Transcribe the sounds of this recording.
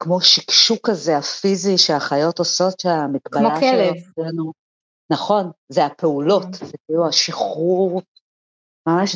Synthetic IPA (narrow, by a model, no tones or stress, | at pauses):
kmo̞ʃikʃukaze̞afiziʃeaχajo̞toso̞tʃeamikbamolaʃesenu | naχo̞nzeape̞ulo̞tzekiiːluaʃiχuʁ | mamaʃ